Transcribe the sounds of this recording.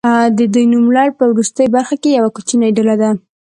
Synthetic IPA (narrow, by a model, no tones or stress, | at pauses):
d̪əd̪ujnumlɑɽpəwɾust̪əjbaɾxakejawakut͡ʃinaɖəlad̪a